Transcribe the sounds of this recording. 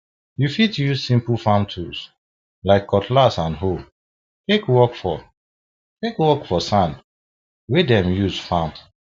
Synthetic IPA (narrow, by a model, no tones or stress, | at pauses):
jufitjusĩmpəl̩ˠfãmtʰus | laɪkʰːɔtʰlasãnɦo | tekwɔkfɔ̰ | tekwɔkfɔsãn | wedɛ̃mjuzfãm